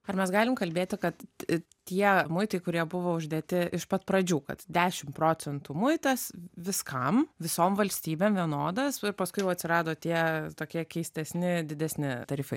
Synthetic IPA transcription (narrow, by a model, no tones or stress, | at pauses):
ɐɾmʲɛsɡɑːlʲɪmkɐlʲbʲeːt̪ʲɪkɐt̪ | t̪ʲiɛmʊɪt̪ɐɪkʊɾʲiɛbʊʋoːʊʒʲd̪ʲeːt̪ʲɪʔɪʃpɐt̪pɾɐd͡ʒʲuːkɐ̰t̪d̪ʲæːʃʲɪmpɾoːt͡s̪ʲɛnt̪uːmʊɪt̪ɐsʋʲɪskɐmʋʲɪsoːmʋɐlʲsʲt̪ʲiːbʲeːmʋʲiɛnoːd̪ɐsɪɾpɐskʊɪjɛʊɐt̪sʲɪɾɑːd̪oːt̪ʲiɛt̪oːkʲiɛkʲɛɪsʲt̪ʲɛsʲnʲɪd̪ʲɪd̪ʲɛsʲnʲɪt̪ɐɾʲiːfɐɪ